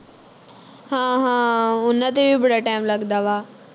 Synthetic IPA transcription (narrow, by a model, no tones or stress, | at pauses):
ɦãːɦãːʊnət̪ebibʱɪɽaʈaːɪmlɐɠnd̪aʋaː